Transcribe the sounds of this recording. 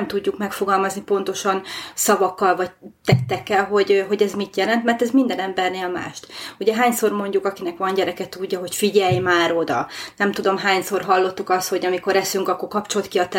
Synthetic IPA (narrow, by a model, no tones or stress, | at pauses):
mt̪uɟːukmɛkfo̞ɡɒlmɒznipo̞nt̪o̞ʃɒnsɒvɒkːɒlvɒɟ̚t̪ɛt̪ːɛkːɛlɦo̞ɟɦo̞ɟɛzmit̪jɛlɛnt̪mɛrt̪ɛzmind̪ɛnɛmbɛrneːlma̰ːʃt̪uɟɛɦaːɲso̞rmo̞ɲɟukɒkinɛkʋɒnɟɛɾɛkɛt̪uɟːɒɦo̞cfiɟɛjmaːɾo̞d̪ɒnɛmt̪ud̪o̞mɦaːɲso̞rɦɒlːo̞t̪ːukɒst̪ho̞ɟɒmiko̞ɾɛsyŋkɒkːo̞kɒpt͡ʃo̞lt̪kiɒt̪ɛ